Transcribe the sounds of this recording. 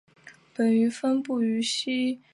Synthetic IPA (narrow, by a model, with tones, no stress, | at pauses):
pə˨˩ny˧˥fə˥npu˥˩y˧˥ɕi˥